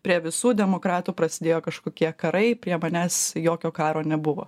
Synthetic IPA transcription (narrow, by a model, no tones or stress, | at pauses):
pʲɾʲiɛʋʲɪsuːd̪ʲɛmoːkɾɑːt̪uːpɾɐsʲɪd̪ʲeːjoːkɐʃkoːkʲiɛkɐɾɐɪpʲɾʲiɛmɐnʲæːsjoːkʲoːkɑːɾoːnʲɛbʊʋo̰